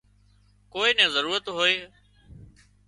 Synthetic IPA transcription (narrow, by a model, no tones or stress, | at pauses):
koːeːnɛ̃ːzəɾuːɾət̪ɦoːeː